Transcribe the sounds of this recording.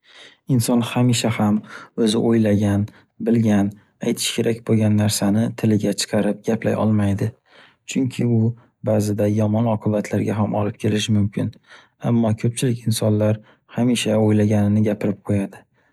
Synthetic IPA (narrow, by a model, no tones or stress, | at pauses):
ɪnsɒnhamiʃahamɵzɪʔojlaɡʲan | bɪlɡʲan | ajt̪ʰɪ̥ʃkʲʰe̞ɾʔakʲboɡʲanːaɾsanɪt̪ʰɪlɪɡʲat͡ʃʰɨ̥qʰɑɾɪp̚ɡʲapla̰jʔɒ̰lˠmajd̪ɪ | t͡ʃʰʊŋkʲʰɪʊ | baːzɪd̪ajɒmɒnɒqʰɨbat̪ʰlaɾɡʲaɦamʔɒlɪp̚kʲʰe̞lɪʃɪmʊmkʲʰɪn | amːɒkʲʰɵp̚t͡ʃʰɪlɪkʲɪnsɒnlaɾ | hamiʃaojlaɡʲanɪnɪɡʲapʰɪɾɪp̚qʰojad̪ɪ